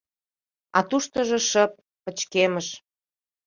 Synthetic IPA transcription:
ɑ̰t̪uʃt̪əʒɤ̆ʃəp̚ːə̆t͡ɕkeməʃ

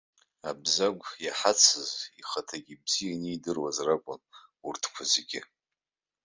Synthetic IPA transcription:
abzaɡʷjaħat͡sʰɨziχatʰaɡʲibzijaniːdɨrwazrakʷʼʊnurtʰkʷʰazeɡʲɪ

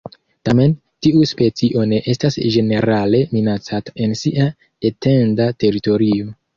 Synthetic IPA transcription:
tame̞n | tiuspe̞t͡siʔo̞ne̞ʔe̞stasʒe̞ne̞ɾale̞minat͡sataʔe̞nsiʔa | ete̞ndate̞ɾito̞ɾio̞

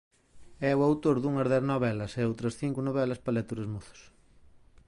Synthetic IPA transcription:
ɛwawt̪oɾðuŋɐzðɛθnɔβɛlɐsɛowt̪ɾɐsθiŋkʊnoβɛlɐspalɛt̪uɾezmoθo̥s

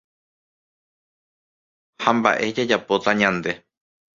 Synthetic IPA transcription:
hamba̰ʔe̞d͡ʒad͡ʒapo̞t̪aɲãnd̪e̞

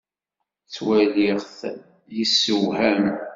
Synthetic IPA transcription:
t͡sːwælɪʁθ | jisːəwɦæm

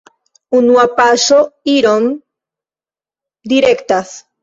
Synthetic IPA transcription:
unwapasoiɾom | d̪iɾekt̪aθ

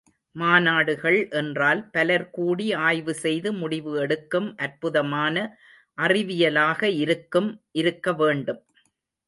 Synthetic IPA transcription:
maːnaːɽɯɣɐɭʔɛndraːlpɐlɐɾkuːɽiaːjʋɯsɛjðɯmʊɽɪʋɯɛɽɯkːɯmʔɐɾpɯðɐmaːnɐ | ʔɐrɪʋɪjɐlaːɣɐɪɾɯkːɯmʔɪɾɯkːɐʋeːɳɖɯm

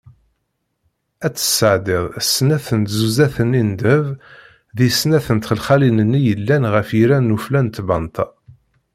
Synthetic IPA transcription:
æt͡sːə̥səʕd̪ɪðˤsːnæθənt̪zuzæθənind̪əv | ðisnæθənt̪χəlχælinənːijəlːænʁəfiɾænːuflænt̪bɑnt̪ʰɑ

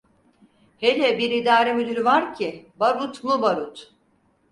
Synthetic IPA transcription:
helʲɛbiɾid̪aːɾemyd̪yɾvaɾcʰibaɾut̪mubaɾut̪

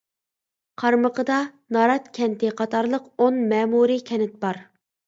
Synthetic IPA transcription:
qʰɑɾməqəd̪ɑ | nɑɾɑt̪kʲʰɛnt̪ɪqʰɑt̪ʰɑɾlˠəqonmɛːmuɾikʲʰɛnɪt̪̚bɑɾ

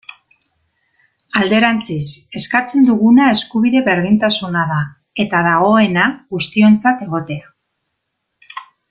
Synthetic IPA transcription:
ald̪e̞ɾant͡sise̞skat͡se̞nd̪uɣunae̞skuβiðe̞βe̞ɾðint̪asunaða | e̞t̪aðaɣ̞o̞e̞naɣust̪io̞nt͡sat̪e̞ɣo̞t̪e̞a

